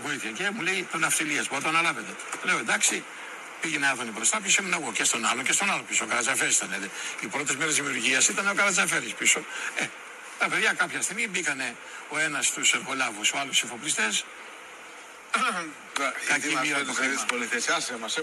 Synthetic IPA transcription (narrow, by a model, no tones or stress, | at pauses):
poiθçɐcemule̞it̪onɐft̪iliɐsboɐt̪oɐnɐlɐvet̪ele̞oend̪ɐksi | piʝeneɐðonipɾost̪ɐpçosimenɐɣo̞cest̪o̞nɐlo̞ce̞st̪o̞nɐlopisokɐɾɐzɐfeɾisit̪ɐneðeipɾo̞t̪ezmeɾe̞zðimiuɾʝiɐsit̪ɐneo̞kɐɾɐzɐfeɾispiso̞e | t̪ɐpeðʝɐkɐpçɐst̪iɣmibikɐne̞ | o̞e̞nɐst̪useɾxo̞lɐvusoɐlusifo̞plist̪es | kɐcimit̪ok̪isoliθesasemɐs